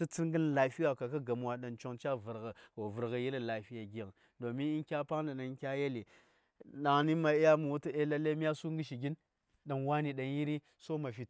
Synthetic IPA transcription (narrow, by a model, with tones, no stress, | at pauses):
i˦t͡si˦ŋɡə˦nla˨fi˦ja˨ka˨ka˦ɡa˨m˨wa˨ɗa˨nt͡ʃo˨ŋt͡ʃa˦və˨ɾɣə˨ko˨və˨ɾɣə˨ji˦lla˨fi˦ja˨ɡʲi˨ja˨ŋ | do˨mi˦ni˦nkʲa˦pa˦ŋda˨na˨˦kʲa˦je˦li˨ | ɗa˨ŋni˦ma˨i˦ja˦mu˨wu˦ti˦e˦la˦le˦mi˦a˦su˦ŋɡi˦ʃi˨ɡʲi˦n | ɗa˨nwa˦ni˨ɗa˨nji˦ɾi˦ | so˦ma˨fi˨